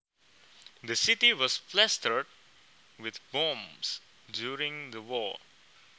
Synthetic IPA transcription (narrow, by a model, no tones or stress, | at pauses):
d̪əsɪʈiʋɔsflɛstəɾɖ̚ | ʋɪd̪bõms | ɖjuːɾɪ̃ŋd̪əwɔː